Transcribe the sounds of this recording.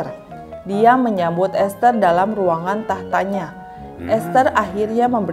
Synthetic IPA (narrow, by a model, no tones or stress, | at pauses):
r | diaməɲambʊt̪ɛst̪ərdalamruaŋant̪aht̪aɲa | ʔɛst̪əraɦirɲaməmbə